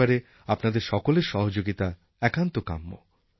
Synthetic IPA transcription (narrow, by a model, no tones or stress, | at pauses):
aɾe | apnad̪eɾʃɔkoleɾʃɔɦod͡ʑoɡit̪a | ɛkant̪oka̰mːo̰